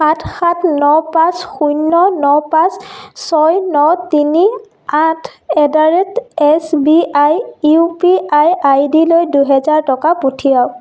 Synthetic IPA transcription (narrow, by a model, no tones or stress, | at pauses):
xatʰxatʰnɔpãsxujnɔnɔpãssɔjnɔtini | atʰɛdaɹɛtɛsbiʔajupiajajdilojduɦɛzaɹtɔkaputʰijaw